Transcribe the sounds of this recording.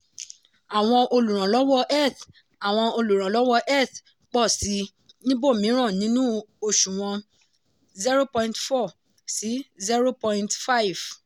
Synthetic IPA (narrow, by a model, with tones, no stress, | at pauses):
a˨w̃ɔ̃˧ʔo˧lu˨ɾ̃ã˨lɔ˨˦wɔ˦ʔɛ˦˨θ | a˨w̃ɔ̃˧o˧lu˨ɾ̃ã˨lɔ˨˦wɔ˧ʔɛ˦˨θ | k͡pɔ˦˨si˨˦ | nĩ˦bo˦˨mĩ˨˦ɾ̃ã˦˨nĩ˨˦nũ˦o˧ʃũ˨w̃ɔ̃˧ | zi˦ɾo˦pɔ̃˧ĩ˧ntfɔ˦˨ | si˨˦zi˦ɾo˦pɔ˧ĩ˦ntfa˦i˨v